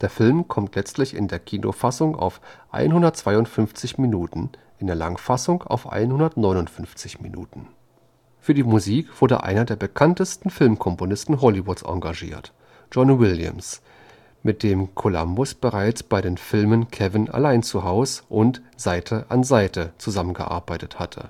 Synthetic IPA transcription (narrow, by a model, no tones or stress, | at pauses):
d̥eːɐfɪlmkʰɔmtʰlɛt͡stlɪçɪ̰ndeːɐkʰiːno̰fasʊŋa̰ʊfʔa̰ɪnhʊndɐt̚t͡sv̥aɪʊntfʏnft͡sɪçminuːtn̩ʔɪndeːɐla̰ŋfasʊŋa̰ʊfʔa̰ɪnhʊndɐtnɔʏnʊntfʏnft͡sɪçmḭnṵːtn̩ | fyːɐdiːmuziːkv̥ʊɐdə̰ʔa̰ɪnɐdeːɐbəkʰantəstn̩fɪlmkʰɔmponɪstn̩ɦɔlivʊtsʔɔ̰̃ŋɡaʒḭːɐt | d͡ʒ̥ɔnwɪljə̰ms | mɪt̚d̥eːmkʰola̰mbʊsb̥əʁaɪt͡sb̥aɪɾeːnfɪlmənkʰɛvɪna̰laɪnt͡suɦaʊsʔʊntz̥aɪtʰəʔa̰nzaɪtʰət͡suzamənɡə̰ʔa̰ɐbaɪtəthatʰə̰